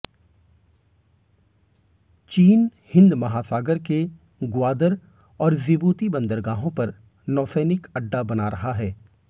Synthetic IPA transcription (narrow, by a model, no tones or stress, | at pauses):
t͡ʃiːnhɪ̃nd̪mɐɦaːsaːɡəɾke | ɡwaːd̪əɾ | ɔːɾzɪbuːt̪ibɐ̃nd̪əɾɡaːɦõpɐɾ | nɔːsɛːnɪkɐɖːabɐnaɾɐɦaɦɛː